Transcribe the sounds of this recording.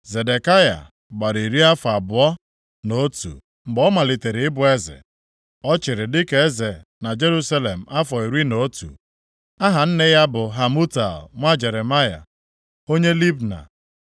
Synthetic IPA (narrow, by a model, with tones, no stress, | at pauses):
ze˨de˨ka˦ja̰˨ | ɡ͡ba˨ɾi˨ɾi˦a˦fɔ˨a˨bʊ˨ɔ˦ | no˦tṵ˨ | ŋ͡m̩˨ɡ͡bɔ˦ma˨li˨te˨ɾɪ˨ɪ˦bʊ˨e˦zɪ̰˨ | ɔ˦t͡ʃɪ˨ɾɪ˨dɪ˦ke˦e˦ze˨ | na˨d͡ʒe˦ɾu˦sa˦le˨m̩˨ʔa˦fɔ˨i˨ɾi˦no˨˦tṵ˨ | a˦ɦa˨n̩˦ne˦ja˦bʊ˨ɦa˨mu˦ta̰˨lŋʷa˦d͡ʒe˨ɾe˨ma˦ja̰˨ | o˦ɲe˦li˦bna̰˨